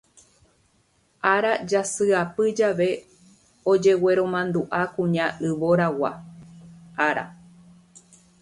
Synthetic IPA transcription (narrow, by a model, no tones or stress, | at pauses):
ʔaɾad͡ʒasɨapɨd͡ʒaʋe̞ | od͡ʒe̞we̞ɾõ̞mãnd̪uʔakũɲãʔɨʋoɾawa̰ | ʔaɾa̰